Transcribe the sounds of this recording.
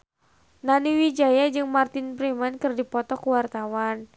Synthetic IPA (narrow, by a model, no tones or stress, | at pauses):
naniwid͡ʒajad͡ʒɨŋmart̪ɪnpɾimankɨrdipɔt̪ɔkəwart̪awan